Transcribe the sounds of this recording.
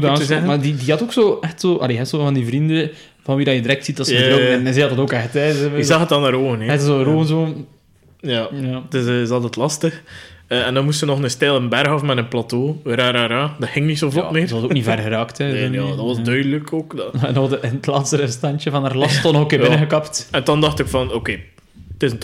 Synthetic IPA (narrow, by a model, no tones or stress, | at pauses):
utaːzɛəmadidiɦɑtoːksoːʔɛxtsoːʔɑ̰leːɦɛsoːvɑndivɾində | vɑnʋidɑjədəɾɛk̚tsit̚dɑsədɾoɛnɛzɛdɑtɑtoːkɛxtɛɛɪkzɑxətdɑnaːɾoːvəneɛtsoɾoːənzoː | jajadɪsəzɑlˠtətlɑstəxəɛndɑnmustənɔxnəstɛlˠənbɛrɣɑfmɛdənplɑtoːɾaːɾaːɾaːdɑthɪŋnitsovlɔlmeːʋɑsokknivɛrɣəɾɑːktɛojdɑʋɑsdœɥdələkoːkdndɔətlaːtstəɾəstɑnt͡ʃəvɑnaːrlɑstːɔnɔxokeːbɪnəɣəkɑptɛntɑndɑxtɪkfɑnokeː | tɪsn